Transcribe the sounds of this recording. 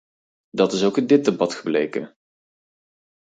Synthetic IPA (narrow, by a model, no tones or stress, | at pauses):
dɑtɪsowkəndɪt̚dəbɑtχəblejkə̰